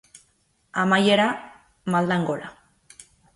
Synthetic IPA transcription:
amajeɾa | mald̪aŋɡo̞la

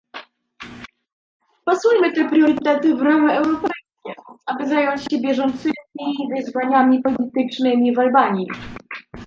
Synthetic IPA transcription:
pasujmɘt̪ɛpɾʲjɔɾɨt̪ɛt̪ɘvɾɔmɛɛwɾɔpɛjskʲɛʔabɘzajɔɲt͡ɕɕɛbʲjɛʐɔnt̪sɘmʲivɘzvaɲamʲipɔlʲit̪ɘt͡ʂnɘmʲivalbaɲi

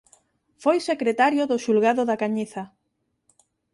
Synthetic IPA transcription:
fojsekɾet̪aɾjoðʊʃulɣaðʊðakaɲiθɐ

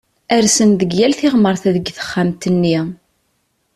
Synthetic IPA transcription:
æɾsənðəɡjælθɪʁməɾˤθæðəɡθə̥χːæmt̪ənːi

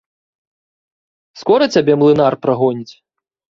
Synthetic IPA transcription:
skɔɾɐt͡sʲabʲɛmlˠɨnarpɾaɣɔnʲit͡sʲ

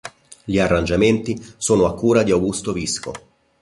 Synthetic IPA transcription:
ʎiarːand͡ʒament̪isoːnoakːuːɾad̪iawɡust̪ovisko̰

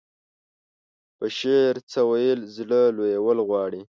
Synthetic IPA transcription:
pəʃeɾt͡səwajəlzləlojawəlɣwɑɽi

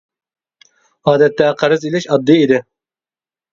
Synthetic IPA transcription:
ɑːd̪ɛt̪ːɛqʰɑɾɨzilɪʃɑd̪ːɨid̪ɪ

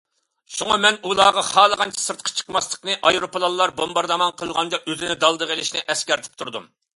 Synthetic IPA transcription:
ʃuŋɑmɛnulˠɑːʁɑχɑːlˠəʁɑnt͡ʃʰɛ̥sɨɾt̪̚qʰɑ̥t͡ʃʰə̥qmɑslˠə̥qnɨʔɑjɾopəlˠɑlˠːɑɾbombɑɾd̪ɑmɑnqʰəlˠʁɑnd̪ɑʔøzɪnɪd̪ɑlˠd̪əʁəlˠɪʃnɪʔɛskʲɛɾt̪ʰɪ̥p̚t̪ʰuɾd̪um

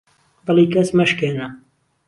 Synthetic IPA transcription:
bɨlˠikɐsmɐʃkeːnɐ

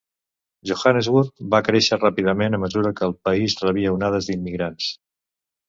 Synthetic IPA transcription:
ʒoxanezwuɾt̪̚bakɾeʃərapiðəmenəməzuɾəkəːlˠpəizrəβ̞iəunað̞əzðimːiɣɾans

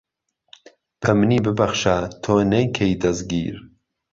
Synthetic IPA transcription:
pʰɐmniːbɨbɐχʃat̪ʰoːnɐjkʰejd̪ɐzɡḭːɾ

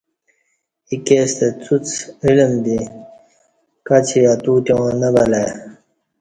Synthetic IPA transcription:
ikeːst̪et͡sut͡silmd̪i | kat͡ɕʰiat̪uːt̪jõːnɐbɐlaj

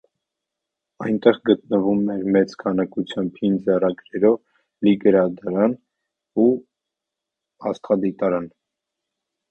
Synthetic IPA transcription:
ɑjnt̪ɛʁɡət̪̚nəvumɛɾmɛt͡skʰɑnɑkut͡sʰjɑmbhind͡zɛrɑɡɾɛɾɔv | liɡəɾɑd̪ɑɾɑn | u | ɑst̪χɑd̪it̪ɑɾɑn

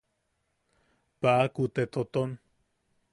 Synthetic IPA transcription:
paʔakut̪et̪ot̪on

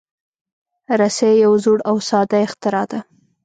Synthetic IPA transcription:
ɾasejawzuɽawsɑd̪aɪxt̪ɪɾɑd̪a

